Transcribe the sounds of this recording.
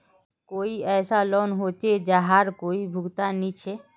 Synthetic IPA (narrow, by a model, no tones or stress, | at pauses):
koːiɛːsalɔnɦot͡ʃed͡ʒaɦaɾkoːibʱʊɡt̪anit͡ʃʰe